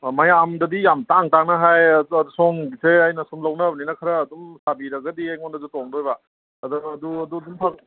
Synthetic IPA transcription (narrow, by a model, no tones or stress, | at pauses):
mɐjamdɐbijamtaŋtaŋnɐɦajdusoŋbiseajnɐsumlɐwnɐbninɐkʰɐɾɐːdumsabiɾɐɡɐdiajŋondɐzutoŋdojba | ɐduɐduɐdudumpʰak